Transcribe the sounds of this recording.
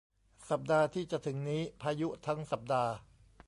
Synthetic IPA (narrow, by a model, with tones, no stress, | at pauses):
sa˨˩p̚daː˧t̪ʰiː˥˩t͡ɕa˨˩t̪ʰɯ˩˦ŋniː˦˥pʰaː˧ju˦˥t̪ʰa˦˥ŋsa˨˩p̚daː˧